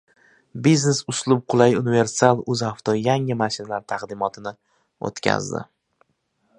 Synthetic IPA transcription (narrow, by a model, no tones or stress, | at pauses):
bizne̞sʊslˠʊb̚qʰʊlˠajʊnɪve̞ɾsalˠɵzaft̪ʰɒjaŋɪmaʃɪnalaɾt̪ʰaqd̪ɪmɒt̪ʰɪnɪ | o̰t̪kʲʰa̰zd̪ɪ̰